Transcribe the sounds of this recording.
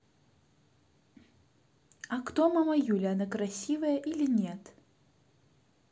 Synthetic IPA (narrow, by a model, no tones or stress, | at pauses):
ɐkt̪ɔmamɐjulʲiɐnakɾasʲivɐjɐʔilʲinʲɛt̪